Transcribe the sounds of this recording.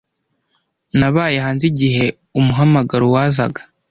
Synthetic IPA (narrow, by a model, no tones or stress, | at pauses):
naβaːjehaːnziɟiɦe̞ | umuɦamaɡaɾuwaːza̰ɡḁ